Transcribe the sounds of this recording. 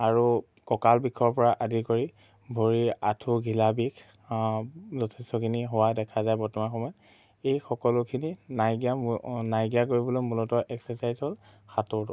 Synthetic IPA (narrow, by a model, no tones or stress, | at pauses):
aɹu | kɔkalbikʰɔɹpɔɹaʔadikoɹi | bʱoɹiatʰuɡʱilabikʰ | zɔtʰɛstɔkʰiniɦowadɛkʰazajbɔɹtɔmanxɔmɔjt | ejxɔkɔlʊkʰininajɡijanajɡiakoɹibɔlojmulɔtɔɹʔɛksɛsajzɦɔlxatʊɹtʊ